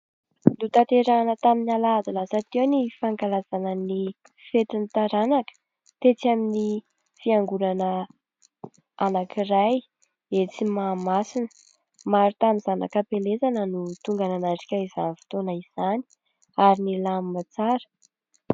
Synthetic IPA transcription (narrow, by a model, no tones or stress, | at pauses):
lut̪at̪eɾanət̪aminalad̪ulasat̪iwnifaŋkalazanəni | fet̪init̪aɾanakə̥ | t̪et͡samini | fiaŋɡuɾanə | anakʰiraj | et͡simamasinə̥ | maɾit̪amizana̰kapelezanənut̪uŋɡananaʈ͡ʂi̥kʲaiza̰nfi̥t̪onəiz̥ani̥ | aɾinilamimat͡saɾə̥